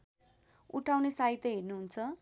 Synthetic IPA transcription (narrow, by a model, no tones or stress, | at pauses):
uʈʰawnesaɦit̪ːʌɦernuɦunt͡sʰʌ